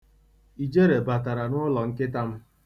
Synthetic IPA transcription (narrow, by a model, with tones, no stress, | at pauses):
i˨d͡ʒe˦ɾe˨ba˨ta˨ɾa˨nʊ˦lɔ˨ŋ̩˦ke˦ta˦m̩˦